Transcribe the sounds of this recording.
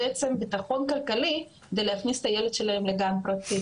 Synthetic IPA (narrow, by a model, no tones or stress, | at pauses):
ʔet͡sembit̪aχo̞nkalkali | ked̪elehaχnist̪ajeled̪ʃelahemleɡampɾat͡si